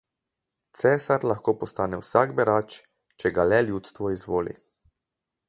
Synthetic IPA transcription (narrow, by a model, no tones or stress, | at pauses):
t̪sɛːsaɾlaxkoːpɔst̪aːnɛwsaɡbɛɾat͡ʃ | t͡ʃɛɡalɛljuːt̪st̪ʋɔizʋoːlḭ